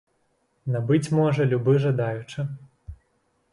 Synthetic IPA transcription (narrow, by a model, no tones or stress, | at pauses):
nabɨt͡sʲmɔʐɐlʲubɨʐad̪ajut͡ʂɨ